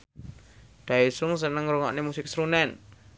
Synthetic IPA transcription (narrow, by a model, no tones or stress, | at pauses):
d̪̥a̤esʊŋs̬ənəŋruŋɔ̰ʔnemusɪk̚sɾunɛn